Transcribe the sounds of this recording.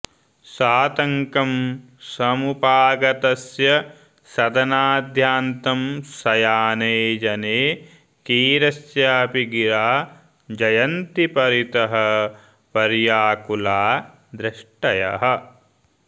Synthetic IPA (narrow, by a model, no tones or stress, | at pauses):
saːt̪ɐŋkɐm | sɐmupaːɡɐt̪ɐsjɐ | sɐd̪ɐnaːd̪ʱjaːnt̪ɐmsɐjaːneːd͡ʒɐneː | kiːɾɐsjaːpiɡiɾaː | d͡ʒɐjɐnt̪ipɐɾit̪ɐɦɐ | pɐɾjaːkulaː | d̪ɾɪʂʈɐjɐ̰ɦɐ̆